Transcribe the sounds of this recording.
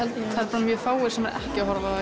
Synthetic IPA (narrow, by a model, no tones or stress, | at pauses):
ɛlt̪aɾpaːɾamjœfaːwɪɾ̥sɛmɛɾɛ̰hcɪaɦɔɾva